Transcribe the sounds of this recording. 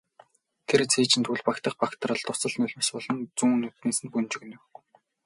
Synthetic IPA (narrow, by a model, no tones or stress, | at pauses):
t̪ʰeɾt͡sʰeːt͡ɕɪ̆nt̪ʰuɮpakt̪ə̆χpakt̪rə̆ɮt̪ʊsə̆ɮnʊɮʲmăspɔɮɞ̆nt͡suːnːut̪ːiːnsɘ̆npunt͡ɕɪ̆ɣ̆njʊw